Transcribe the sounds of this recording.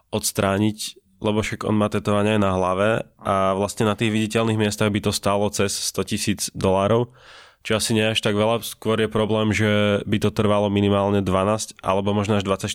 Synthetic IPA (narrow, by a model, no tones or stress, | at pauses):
ʔɔt̪st̪ɾaːɲic | lɛbɔʃaɡɔ̰nmaːt̪ɛt̪ɔʋaɲɛajnaɦlaʋɛʔaʋlast̪ɲɛnat̪iːɣʋiɟicɛlniɣmɪɛst̪aɣbit̪ɔst̪aːlɔt͡sɛsːt̪ɔcisiːd͡zd̪ɔlaːɾɔʊ | t͡ʃɔasiɲɛaʃt̪aɡʋɛʎaskʊɔɾjɛpɾɔblɛːmʒɛbit̪ɔt̪r̩ʋalɔminimaːlɲɛd̪ʋanaːscʔa̰lɛbɔmɔʒnɔaʒd̪ʋat͡sac